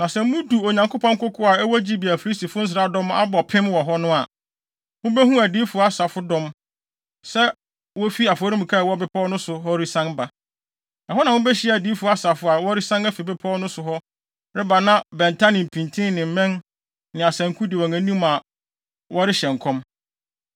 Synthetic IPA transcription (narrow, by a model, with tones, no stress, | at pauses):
nã˨sɛ˨˦mũ˦du˨o˨ɲã˨ŋko˦pʰɔ̃˦ŋ̩˦kʊ˦kʰʊ˦a˨ɛ˦wɔ˦d͡ʑi˦bi˨æ˨fi˨ɾi˦sti˨fʊ˦n̩˦s̬ɪ˨ɾa˦dɔ̃˦ma̰˦bɔ˨pʰɪ̃˦mwɔ˨ɦɔ˦nʊ̃˦a˨ | wʊ̃˦bɛ˦ɦũ˦æ˨diː˦fʊ˨a˦sa˨fʊ˦dɔ̃˦˨m | sɛ˦ | wɔ˦fi˦a˨fɔ˨˦ɾĩ˦m̩˨kʰa˦˨wɔ˦bɛ˦pʰɔ˦nʊ̃˦sʊ˨ɦɔ˦ɾi˦sã˦nba˨ | nã˨ɦɔ˦nã˨wʊ̃˦bɛ˦ɕɪ˦˨æ˨diː˨˦fʊ˨a˦sa˨fʊ˦a˨wɔ˦ɾi˦sã˦næ˦fi˨bɛ˦pʰɔ˦nʊ̃˦sʊ˨ɦɔ˦ | ɾɪ˦ba˨nã˦bɛ̃˨ntʰa˦nɪ̃˨m˨pʰĩ˨ntʰɪ̃˦nɪ̃˨m̩˨˦mɛ̃˦n | nɪ̃˨a˨sã˨ŋ˨kʰu˦dɪ˨wɔ˨ŋæ̃˨nĩ˦ma˨ | wɔ˦ɾɪ˦ɕɛ˨ŋ̩˨kʰɔ̃˦m